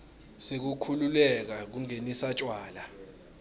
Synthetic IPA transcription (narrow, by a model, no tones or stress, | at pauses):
sek̬ukʰululɛk̬ak̬uŋenisat͡ʃʼwaːla